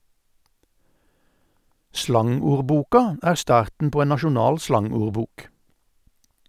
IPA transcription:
ˈslɑŋuːʁˌbuːkɑ ˈæːʁ ˈstɑːʁtn̩ ˈpoː ˈeːn nɑʃʊˈnɑːl ˈslɑŋuːʁˌbuːk

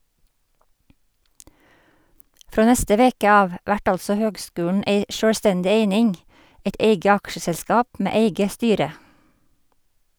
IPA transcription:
ˈfɾoː ˈnɛstə ˈʋeːkə ˈɑːʋ ˈʋæʈ ˈɑlsɔ ˈhøːɡˌskʉːəɳ̩ ˈeɪ ˈʃøːɽˌstɛndɪ ˈeɪnɪŋ ˈæɪt ˈæɪɡə ˈɑkʃəsɛlˌskɑːp ˈmeː ˈeɪɡə ˈstyːɾə

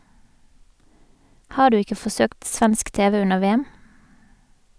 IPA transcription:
ˈhɑː ˈɖʉː ˈɪkə fɔˈsøːkt ˈsʋænsk ˈteːʋə ˈʉnəʁ ˈʋeːæm

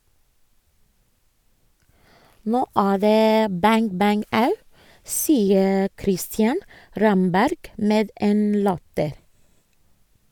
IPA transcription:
ˈnoː ˈæː ˈðeː ˈbæŋ ˈbæŋ ˈɑʉ ˈsiːə ˈkɾɪstjɑn ˈɾɑmbæɾɡ ˈmeːd ˈeːn ˈlɑtəɾ

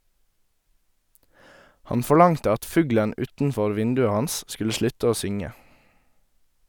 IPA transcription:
ˈhɑn fɔˈɭɑŋtə ˈɑt ˈfʉːɡlən ˈʉːtn̩ˌfɔɾ ˈʋɪndʉə ˈhɑns ˈskʉlə ˈʃlʉt ˈoː ˈsʏŋə

